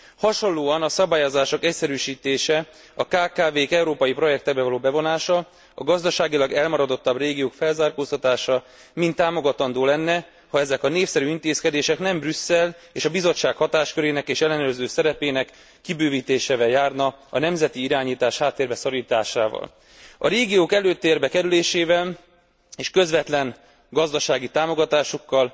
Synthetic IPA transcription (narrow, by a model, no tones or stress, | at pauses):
hɒʃo̞nlːoːɒnɒsɒbaːjozaːʃo̞kɛcsɛɾyːʃiːt̪eːʃɛ | ɒkaːkaːveːkɛuɾoːpɒjipro̞jɛk̚t̪ɛɡ̚bɛvɒloːbɛvo̞naːʃɒ | ɒ̰ɡɒzd̪ɒʃaːɡilɒɡɛlmɒɾɒd̪o̞t̪ːɒbreːɡijoːkfɛlzaːrkoːst̪ɒt̪aːʃɒ | mint̪ːaːmo̞ɡɒt̪ɒnd̪oːlɛnːɛ | hɒɛzɛkɒneːfsɛɾyːint̪eːskɛd̪eːʃɛknɛmbrysːɛleːʃɒbizo̞t͡ʃːaːkhɒt̪aːʃkøɾeːnɛkeːʃɛlːɛnørzøːsɛɾɛpeːnɛkː | ibøːviːt̪eːʃeːvɛljaːrnɒɒnɛmzɛt̪iiɾaːɲiːt̪aːʃhaːt̪ːeːrbɛsɒɾiːt̪aːʃaːvɒ̰l | ɒ̰ɾeːɡijoːkɛløːt̪ːeːrbɛkɛɾyleːʃeːvɛl | eːʃkø̞zvɛt̪lɛŋ | ɡɒzd̪ɒʃaːɡit̪aːmo̞ɡɒt̪aːʃo̞kːɒl